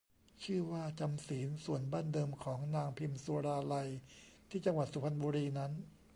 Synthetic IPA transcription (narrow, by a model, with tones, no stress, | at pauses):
t͡ɕʰɯː˥˩waː˥˩t͡ɕa˧msiː˩˦nsu˨˩ənbaː˥˩ndɤː˧mkʰɔː˩˦ŋnaː˧ŋpʰi˧msuː˧ɾaː˧la˧jt̪ʰiː˥˩t͡ɕa˧ŋwa˨˩t̪̚su˩˦pʰa˧nbuː˧ɾiː˧na˦˥n